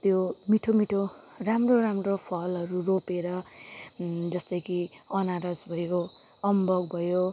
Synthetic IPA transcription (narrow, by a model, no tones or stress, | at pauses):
t̪jomiʈʰomiʈʰo | ramroramropʰʌlɦʌɾuropeɾʌ | d͡zʌst̪ʌjki | ʌnaɾʌsbʱʌjo | ʌmbʌɡbʱʌjo